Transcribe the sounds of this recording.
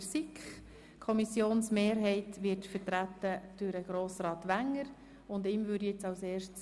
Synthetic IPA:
sikχ | kʰɔmisjoːnsmeːɾɦɛɪtʋɪɾtfəɾtɾætːəd̥ʊɾəɡ̥ɾoːsɾɑːt̪ʋæŋːəɾ | ʊndɪmʋʏːɾdjɛt͡sɑʊseːrʃts

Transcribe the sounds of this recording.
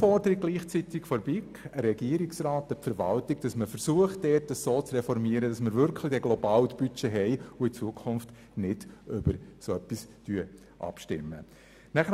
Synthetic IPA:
fɔɾdəɾɪɡ̚ɡ̥liːχt͡sitɪkfɔɾbikəɾɛɡ̥iəɾɪksraːtəfəɾʋɑ̰ltɪɡ̚d̥ɑsməfəɾsuəχt̚dɛːtəssoːt͡srɛfɔɾmiəɾəd̥ɑsməɾvʏɾkʰlid̥ɛɡlɔbɑːltb̥yt͡ʃeɦɛɪʊɪt͡suəkʰχʊnft | nɪd̥ʏb̥əɾsoœpːistyə | ʔɑ̰pʃtɪ̰mːə̰ | næχə

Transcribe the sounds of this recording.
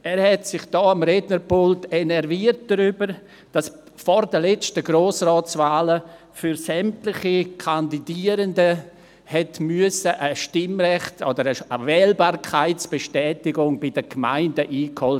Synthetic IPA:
ɛːɾhɛtsɪχd̥ɔːamɾɛdnəɾpʊltenɛɾviːərt̚d̥ɾybəɾ | d̥as | fɔɾdəlɛt͡stəɡɾoːsrɔːt͡svaːlə | fyɾsɛmtlɪχikʰandidiːəɾəndə | hɛtmyəsəʔəʃtɪmɾɛχtodəɾəəvɛːlbaːɾkʰaɪtsb̥eʃtɛːtɪɡʊŋbɪdəɡma̰ɪndəʔiːkhɔl

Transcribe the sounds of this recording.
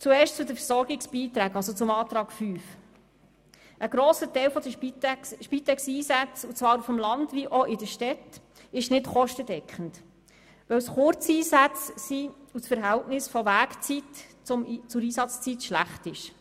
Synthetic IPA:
t͡suɛːɾʃtt͡sʊd̪əfəɾsɔɾɡɪksb̥iːt̪ɾæːɡɑls̬ɔt͡sʊmɑːt̪ɾɑːɡ̥fyːf | ʔəɡ̥ɾɔːsətɛjlfɔd̪əiʃpit̪ɛksiːsæt͡sut͡sʋɑːɾufəmlɑndviʔɔʔɪdəʃtɛt | ɪʃnɪtχɔʃtəd̥ɛkʰχənt | ʋœwsχʊɾt͡siːsæt͡ssiusfəɾɦæltnɪsfɔʋæːkt͡sitt͡sʊmt͡sʊɾiːsɑt͡st͡sitʃlæ̰χtɪʃ

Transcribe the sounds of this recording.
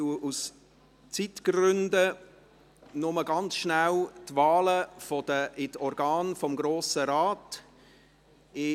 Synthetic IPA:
uʔus | t͡sitɡ̥rʏndə | nʊməɡɑnt͡sʃnæltvaːləfɔd̥əʔɪtɔɾɡaːnfɔmɡɾoːsəɾaːt | ɪ

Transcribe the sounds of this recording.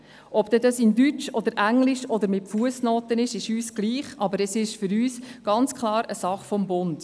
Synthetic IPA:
ʔɔbd̥̪ɛdɑsɪndyt͡ʃɔd̪əɾʔæŋlɪʃɔd̪əɾmɪtfuəsnoːtənɪʃɪʃyːsɡ̥liːχɑbəɾɛsɪʃfʏɾyːsɡ̥ɑnt͡skʰlˠɑːɾəsɑχfɔmbʊnd̥

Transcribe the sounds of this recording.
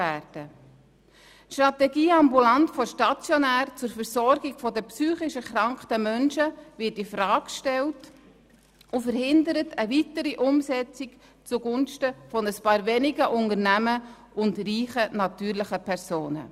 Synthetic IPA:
æːɾd̥ə | ʃtrɑtɛɡiːɑmbulɑntfɔʃtɑt͡sjɔnæːɾt͡sʊɾfəɾsɔɾɡɪɡfɔdəpsyːχɪʃəχɾɑŋktəmœnʃəvɪtɪfɾɑːkʃtɛlt | ʊfəɾhɪndəɾətʰəvitəɾiʔʊmsɛt͡sɪk | t͡suɡʊnʃtəfɔnəspɑːɾvɛnɪɡəʔʊnəɾnæmə | ʔʊndriːχənɑtyːɾlɪχəpʰɛɾsoːnə̰

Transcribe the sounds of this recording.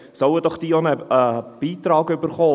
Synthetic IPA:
sɔwəd̥ɔχd̥̪iːonəəb̥iːt̪ɾɑːɡʏbəɾχoː

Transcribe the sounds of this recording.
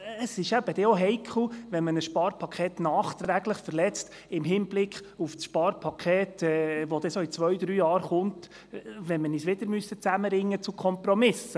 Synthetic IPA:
əsɪʃæb̥əd̥̪ɛoɦɛjkʰl̩ʋɛnmənəsʃpɑːɾpʰɑkʰχeːtnɑːχt̪ɾæɡləχfəɾlɛt͡st | ɪmɦɪnblɪkχufsʃpɑːɾpʰɑkʰeːtɛːʋod̥̪ɛsoit͡sʋœɥd̪ɾyːjɑːɾχʊnt | ʋɛnmənisʋɪd̥̪əɾmysət͡sæməɾɪŋːət͡sukʰχɔmpɾɔmɪsə

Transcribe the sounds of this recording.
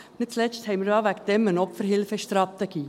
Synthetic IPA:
nɪt̪̚t͡slɛt͡ʃthɛɪməɾɑːʋækd̪ɛmənɔpfəɾɦɪlfəʃt̪ɾɑt̪əɡ̥iː

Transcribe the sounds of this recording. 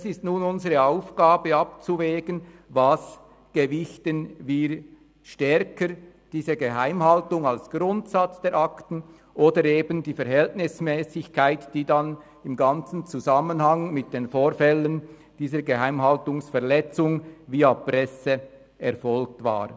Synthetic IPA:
sɪstnuːnʊnzəʁəaʊfɡ̥aːbəɑp̚t͡suvɛːɡənvas | ɡ̥əvɪçtənviːɾ | ʃtɛɾkəɾ | d̥iːzəɡəɦaɪmhaltʊŋalsɡ̥ʁʊntsat͡sd̥ɛːɾʔaktən̩ | ʔoːdəɾeːbəndiːfɛɾɦɛltnɪsmɛːsɪçkʰaɪtd̥iːdan | ɪmɡɑnt͡sn̩t͡suzamənhɑŋmɪt̚d̥eːnfoːɾfɛlən | d̥iːzəɾɡəɦaɪmɦaltʊŋsfɛɐlɛt͡sʊŋviːaprɛsə | ɛɾfɔlktva̰ːɾ

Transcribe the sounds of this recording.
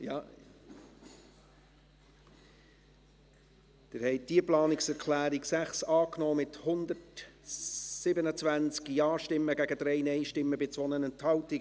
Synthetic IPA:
jɑ | d̪̥ɪɾhɛɪt̚d̥iəplɑːnɪksɛɾkʰlæːɾiksæχsɑːknɔːmɪthʊndət | sɪbənət͡svænt͡skjɑːʃtɪmːəɡæɡəd̪ɾɛɪnɛɪʃtɪmːəbɪt͡sʋɔnənɛnthɑlti

